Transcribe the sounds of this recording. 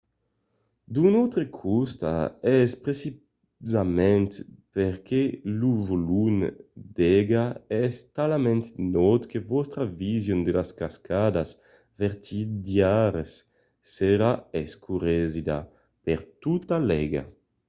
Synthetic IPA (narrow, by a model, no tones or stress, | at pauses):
d̪unɔt̪ɾekʰust̪a̰ɛspɾesi | zamɛnt̪peɾkeluvolund̪ɛɡaɛst̪alamɛ̃nt̪nɔt̪kevɔst̪ɾavizjund̪elaskaskʰad̪as | vɛɾt̪ʰid̪jaɾesː | eɾaeskuɾezid̪a̰ | peɾt̪ut̪alɛɡa̰